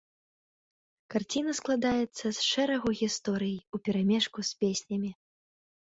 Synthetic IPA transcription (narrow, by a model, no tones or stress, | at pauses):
kart͡sʲinɐsklˠad̪ajɛt̪sːɐsʂɛɾɐɣuɣʲist̪ɔɾɨjijupʲɛɾamʲɛʂkusʲpʲesʲnʲɐmʲi